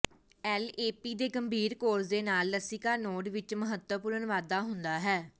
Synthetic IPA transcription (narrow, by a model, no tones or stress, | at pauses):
ɛːleːpiːd̪eːɡəmbʱiːɾkoːɾsd̪eːnaːlːəsɪkaːnoːɖʋɪt͡ʃməɦət̪wəpʊɾəɳʋaːd̪aːɦʊnd̪aːɦɛː